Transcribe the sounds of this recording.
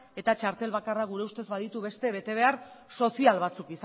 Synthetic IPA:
e̞t̪at͡ʃaɾt̪e̞lβakaraɣuɾe̞ust̪e̞zβaðit̪uβe̞st̪e̞βe̞t̪e̞β̞e̞aɾso̞sialβat͡sukis

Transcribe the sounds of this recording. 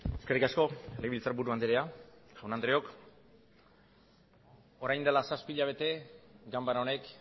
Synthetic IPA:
e̞skerikasko̞leβilt͡saɾbuɾuand̪iɾeaʝawnand̪ɾeo̞k | o̞ɾajnd̪elasaspiʎaβ̞e̞t̪e̞ɡambaɾaone̞k

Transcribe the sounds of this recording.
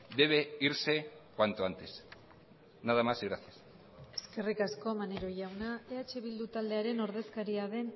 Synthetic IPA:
d̪e̞β̞e̞iɾse̞kwant̪oant̪e̞s | naðamasiɣɾaθjas | e̞̥ske̞rikasko̞maneɾo̞ʝawnaeat͡ʃe̞β̞ild̪ut̪ald̪e̞aɾe̞no̞ɾð̞e̞skaɾiaðe̞n

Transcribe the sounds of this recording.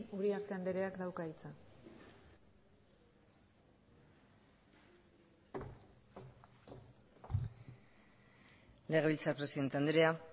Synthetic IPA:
uɾiaɾt̪e̞and̪eɾe̞akd̪awkait͡sa | le̞ɣe̞βilt͡sapɾe̞siðe̞nt̪eand̪ɾea

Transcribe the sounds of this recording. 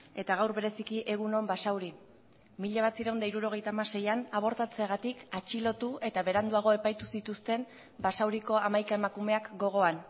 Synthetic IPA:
e̞t̪aɣawɾβe̞ɾe̞sikiʔe̞ɣ̞uno̞mbasawɾi | miʎaβ̞at͡siɾawnd̪aiɾuɾo̞ɣ̞e̞jt̪aːmase̞janaβ̞o̞ɾt̪at͡se̞aɣat̪ikat͡ʃilo̞t̪ue̞t̪aβe̞ɾand̪uaɣ̞o̞e̞pajt̪usit̪ust̪e̞n | basawɾiko̞amajkae̞makume̞akɡo̞ɣ̞o̞an

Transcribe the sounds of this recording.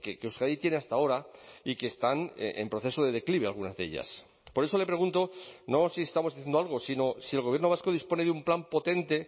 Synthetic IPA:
kekeusɣaðit̪je̞ne̞ast̪ao̞ɾaikeːst̪an̰empɾo̞θe̞so̞ðe̞ðe̞kliβe̞alɣ̞unazðe̞̰ʎa̰s | po̞ɾe̞so̞le̞pɾe̞ɣ̞unt̪o̞no̞siest̪amozðiθend̪oalɣ̞o̞sino̞sielɣ̞oβje̞ɾnoβaskoð̞ispo̞ne̞ðumplampo̞t̪e̞nt̪e̞

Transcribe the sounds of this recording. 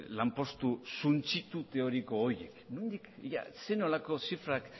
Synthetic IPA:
lampo̞st̪usunt͡sit̪ut̪e̞o̞ɾiko̞ːjḛknũnd̪ikja̰seno̞lako̞sifɾak

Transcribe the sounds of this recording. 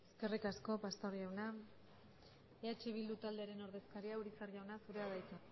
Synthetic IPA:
eske̞rikasko̞past̪oɾʝawna | eat͡ʃe̞β̞ild̪ut̪ald̪eaɾe̞no̞ɾðe̞skaɾiauɾit͡sarʝawnasuɾe̞aðajt̪u

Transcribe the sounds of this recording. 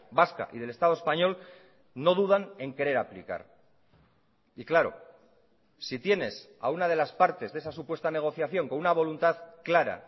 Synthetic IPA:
baska̰ʔiðe̞le̞st̪að̞oe̞spaɲo̞l | no̞ð̞uðane̞ŋke̞ɾe̞ɾaplḭka̰ɾ | iklaɾo̞̰ | sit̪je̞ne̞s | a̰unað̞e̞laspaɾt̪e̞zðesasupwest̪ane̞ɣ̞o̞θjaθjo̞ŋko̞nunaβ̞o̞lunt̪aðklaɾa̰

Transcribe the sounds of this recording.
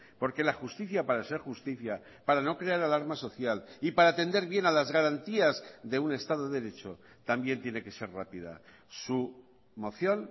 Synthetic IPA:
po̞ɾke̞laxust̪iθjapaɾase̞ɾxust̪iθja | paɾano̞kɾe̞aɾalaɾmaso̞θjalipaɾaːt̪e̞nd̪e̞ɾβje̞nalazɣaɾant̪iazðe̞une̞st̪aðo̞ðe̞ɾe̞t͡ʃo̞ | t̪ambje̞nt̪je̞ne̞ke̞se̞rrapið̞a̰ | su | mo̞θjo̞n

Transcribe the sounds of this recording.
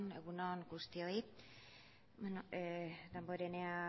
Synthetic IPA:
neɣunoŋɡust̪ioi | enod̪amboɾenea

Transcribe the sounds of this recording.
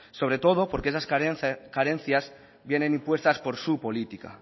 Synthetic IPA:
so̞β̞ɾe̞t̪o̞ð̞opo̞ɾkees̬askaɾen̟θjaz | bje̞nẽ̞nĩmpwe̞st̪aspo̞ɾsupo̞lit̪ika̰

